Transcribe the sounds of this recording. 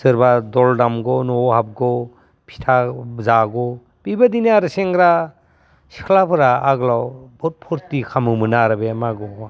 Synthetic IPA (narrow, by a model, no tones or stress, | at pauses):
sɯɾbadɔldamɡɔnɔhap̚ɡɔ | pʰi̥tʰazaɡɔ | b̥ibadiniaɾɯseŋɡɾa | si̥kʰlapʰɯɾaaɡlawbɔt̚pʰɔɾtikʰamɯmɯnaɾabemaɡɔ